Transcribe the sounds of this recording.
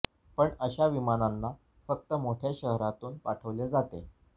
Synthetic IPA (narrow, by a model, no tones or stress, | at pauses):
pəɳəɕaʋimananːa | fək̚t̪əmoʈʰjaɕəɦɾat̪uːnpaʈʰəʋled͡zat̪ḛ